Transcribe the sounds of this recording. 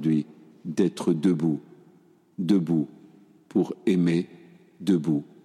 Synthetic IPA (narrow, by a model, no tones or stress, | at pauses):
d̪ɥi | d̪ɛt̪χəd̪əbu | d̪əbu | pʰuʁeme | d̪əbu